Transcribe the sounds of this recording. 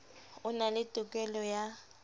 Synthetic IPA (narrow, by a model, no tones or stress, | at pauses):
ʊnalɪtʼʊkʼɛlɔja